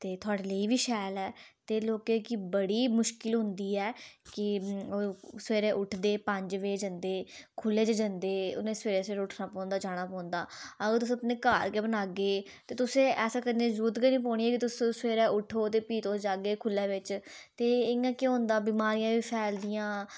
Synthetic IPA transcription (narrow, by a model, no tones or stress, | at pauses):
t̪eːt̪ʰʊaːɽeːləiːʋiːʃɛːlɛːt̪eːloːkeːkɪbəɽiːmʊʃkɪlɦʊ̃nd̪iːɛːkɪoseːɾẽːʔʊʈʰd̪eːpə̃ɲd͡ʒʋeːd͡ʒənd̪eːkʰʊleːt͡ʃəd͡ʒənd̪eːʊ̰nẽːseːɾeːseːɾːʊʈʰnaːpɔ̃ːnd̪aːd͡ʒaːɽ̃aːpɔ̃ːnd̪a̰ːəɡəɾt̪ʊsẽːəpneːkaːɾkeːbənaːɡeː | t̪eːt̪ʊsẽːʔɛːsãːkənẽːzuːt̪kəniːp̬ɔːɽ̃iːɛːkɪt̪ʊsẽsʋeːɾɛ̃ːʔʊʈʰoːt̪eːpiːt̪oːd͡ʒaːɡeːkʰʊlɛːʋɪt͡ʃt̪eːɪãːkeːɦʊ̃nd̪aːbiːmaːɾijãːʋiːpʰɛːld̪ijãː